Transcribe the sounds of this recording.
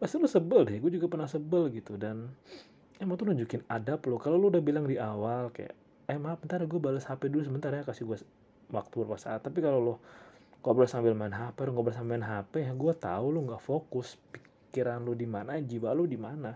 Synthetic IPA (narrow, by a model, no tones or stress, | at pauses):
pasɪlʊsəbəldɛɡuad͡ʒuɡapərnahsəbəlɡit̪udan | ɛmaŋt̪unuɲd͡ʒukɪnadaplʊkalolʊudahbilaŋdiʔawalka̰ja̰ | ɛmaŋpənt̪aɾaɡuabaləshapɛdulus̬əmənt̪aɾaɲakasiɡua | wak̚t̪ubərpasa̰t̪ːapikalolʊhŋɡaʔbɾasambɪlmaɪnɦapɛlʊŋɡabəlasambɪnɦapɛjaɡuat̪a̰ulʊŋɡaʔfokʊspi̥ | kiɾanlʊdimanad͡ʒiwalʊdimana